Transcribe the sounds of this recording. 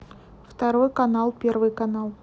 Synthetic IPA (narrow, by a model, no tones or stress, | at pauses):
ft̪ɐɾojkɐnalˠpʲervɨjkɐnalˠ